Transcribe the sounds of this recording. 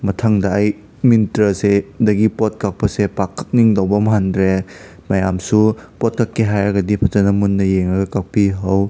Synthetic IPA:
mɐtʰaŋdɐːj | mintɾɐsedɐɡipɔt̚kak̚pʰɐsepakʰːak̚niŋdowbɐmɦandɾe | majamsupɔt̚kakːiɦajaɡɐdipʰɐtɐnɐmunːɐjeŋɐɡɐkak̚piɦɐw

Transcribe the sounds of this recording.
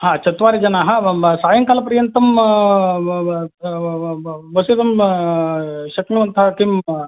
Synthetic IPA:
ɦaːt͡ʃɐt̪ʋaːɾid͡ʒɐnaɦasaːjɐŋkaːlɐpɐɾijɐnt̪ɐm | ʋɐsid̪ɐm | ʃɐknuɐnt̪ɐɦɐkim

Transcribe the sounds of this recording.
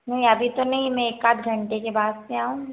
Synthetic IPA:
nɐɦĩɐbʱit̪onɐɦĩmɛ̃eːkaːd̪ɡʱɐ̃ɳʈekebaːd̪seaːɦũ

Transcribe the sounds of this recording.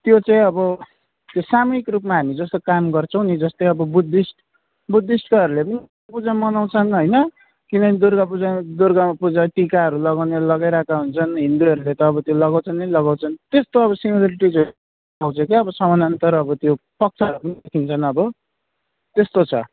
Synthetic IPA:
t̪jot͡sãĩʌbʌ | t̪josamʌikrupmaɦamid͡zʌst̪okamɡʌrt͡sʰʌw̃nid͡zʌst̪ʌjʌbʌbud̪isʈ | bud̪isʈkʌʌɾulepʌni | pud͡zamʌnaw̃t͡sʰʌnɦojnʌ | kinʌkid̪uɾɡapud͡zad̪uɾɡamapud͡zaʈikaɦʌɾulʌɡawneʌlʌɡajɾakaɦunt͡sʰʌnɦind̪uɦʌɾulet̪ʌːbʌt̪jolʌɡaw̃t͡sʰʌnʌlʌɡaw̃t͡sʰʌnt̪est̪oʌβʌsimʌlʌɾiʈid͡zʌ | aw̃t͡sʰʌkiʌbʌsʌmʌnʌnt̪ʌɾʌbʌt̪jopʌk̚t͡sʰaʌɾupʌnid̪ekʰint͡sʰʌnʌbʌ | t̪est̪ot͡sʰʌ̰

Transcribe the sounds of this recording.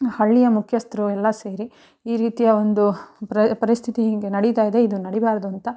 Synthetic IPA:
hɐɭːijɐmukʰjɐst̪ɾuɛlːɐse̞ːɾi | iːɾiːt̪ijɐo̞nd̪upɐɾist̪ʰit̪iiŋɡenɐɽit̪aːjid̪e̞id̪unɐɽibaːɾɐd̪uɐnt̪ɐ

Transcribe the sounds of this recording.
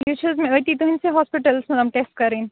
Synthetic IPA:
jut͡ʃʰəzmẽəjt̪it̪oɦɪ̃nseɦɔːspɪʈəlsmelɐmʈeːsʈ̚kɐɾiːn

